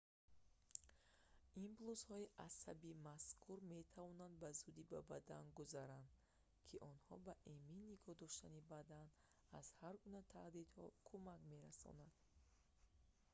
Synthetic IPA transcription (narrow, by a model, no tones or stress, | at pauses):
imbluzhɔiʔasa̰bimaskʰuɾme̞t̪ʰavɔnand̪bazud̪ibabad̪anɡuzaɾand̪ | kʰiʔɔnhɔ̰baʔeminnːiɡɔhd̪ɔʃt̪anibad̪an | az̥haɾɡunat̪ʰaʔd̪id̪hɔ̰kʰumakme̞ɾasɔ̰nad̪̥